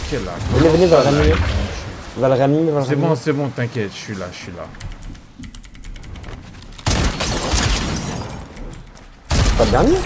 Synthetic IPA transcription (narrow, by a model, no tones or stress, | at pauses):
kʲɛla̰kvənevənevalʁam | valʁammevalʁɛbɔ̃sɛbɔ̃t̪ɛ̃kʲjɛt̪ʃɥilaʃɥila̰ | spaləd̪ɛʁne